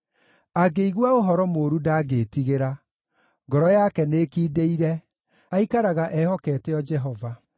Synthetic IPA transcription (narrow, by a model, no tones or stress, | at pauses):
aɡeiɣwaoɦɔɾɔmoɾudaːɡetiɣeɾa | ŋɡɔɾɔjakɛnekiːdeiɾɛ | aikaɾaɣaʔɛhɔkɛtɛɔd͡ʒɛɦɔva